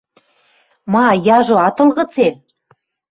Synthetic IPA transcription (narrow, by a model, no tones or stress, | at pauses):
mɑjɑʒoɑt̪ɤ̆lɣɤ̆t͡sem